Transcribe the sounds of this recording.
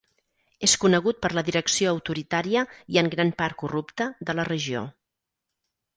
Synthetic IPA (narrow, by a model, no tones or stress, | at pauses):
eskunəɣ̞ut̪̚pəɾləðiɾəksioəwt̪uɾit̪aɾiəiəŋɡɾanpaɾkurupt̪əðələrəʒio̰